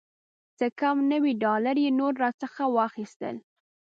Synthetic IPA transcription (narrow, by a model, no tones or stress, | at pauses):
t͡səkamnəwiɖɑlaɾjenoɾːɑt͡səxawɑxist̪ə̰l